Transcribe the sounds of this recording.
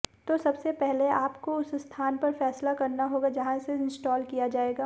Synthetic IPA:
t̪osɐbsepɛɦleaːpkoʊsst̪ʰaːnpɐɾfɛːslakɐɾnaɦoːɡad͡ʒɐɦãseɪ̃nsʈɔːlkijad͡ʒaːeːɡaː

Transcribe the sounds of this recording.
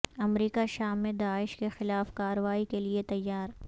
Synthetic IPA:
ɐmɾiːkaʃaːmːẽd̪aːɪʃkexɪlaːfkaːɾəʋaːikeliet̪ɐjːaːɾ

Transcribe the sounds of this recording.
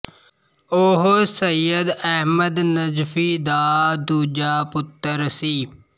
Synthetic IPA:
oɦsəjəd̪ɛɦməd̪nəzfiːd̪aːd̪uːd͡ʒaːpʊt̪ːəɾsiː

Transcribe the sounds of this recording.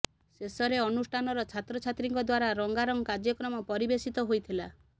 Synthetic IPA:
sesɔɾeɔnusʈʰanɔɾɔt͡ʃʰat̪ɾɔt͡ʃʰat̪ɾiŋkɔd̪waɾaɾɔŋɡaɾɔŋkad͡ʒjɔkɾɔmɔpɔɾibesit̪ɔɦojt̪ʰila̰

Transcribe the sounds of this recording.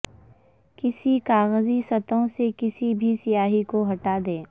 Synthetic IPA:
kɪsikaːɣəzisɐt̪õsekɪsibʱisijaːɦikoɦɐʈaːd̪ẽː

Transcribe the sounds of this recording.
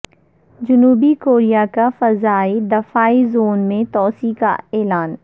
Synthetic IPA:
d͡ʒʊnuːbikoːɾijakafɐzaːid̪ɐfaːizoːnmẽt̪ɔːsika̰eːlaːn

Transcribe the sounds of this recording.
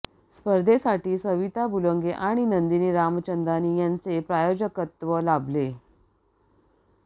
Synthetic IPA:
spəɾd̪ʱesaʈiːsəʋit̪abuləŋɡeʔaɽ̃inənd̪iniːɾamt͡ɕənd̪aniːjant͡sepɾajod͡ʑəkət̪ʋəlable

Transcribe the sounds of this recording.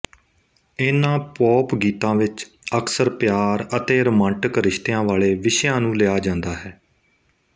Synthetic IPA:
enãːpɔːpɡiːt̪ãːʋɪt͡ʃ | əksəɾpjaːɾət̪eːɾəmãːɳʈəkɾɪʃt̪ejãːʋaːleːʋɪʃjãːnũːleaːd͡ʒãːnd̪aːɦɛː

